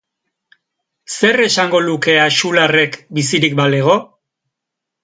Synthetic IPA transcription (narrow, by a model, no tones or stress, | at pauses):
se̞re̞saŋɡo̞luke̞aʃulare̞kbis̬iɾik̚baleɣ̞o̞